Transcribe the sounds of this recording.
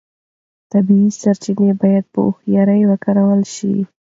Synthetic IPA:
t̪abiisaɾt͡ʃinebɑjad̪̚pə̰ʊhjɑɾəjwəkaɾawəlʃḭ

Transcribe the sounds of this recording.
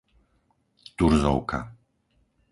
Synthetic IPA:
d̪̥uɾzɔ̰wkʰa̰

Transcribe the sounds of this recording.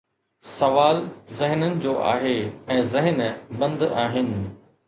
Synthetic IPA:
sɐʋaːlzɪɦnənɪ̆d͡ʑoːʔa̰ːɦeɛ̃ːzɪɦənbɐ̃nd̪aːɦɪnɪ̆

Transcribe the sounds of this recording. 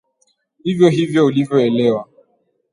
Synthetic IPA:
ivjoɦivjoolivjoelewa

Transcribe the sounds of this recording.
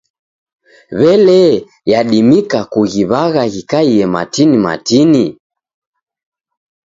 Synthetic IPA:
βɛlɛ | jaɗimikakuɣiβaɣaɣikaiɛma̰tinima̰tini

